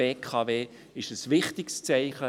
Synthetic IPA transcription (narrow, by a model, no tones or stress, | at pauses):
eːkʰɑːveː | ɪʃəsvɪχtɪkst͡sæɪχə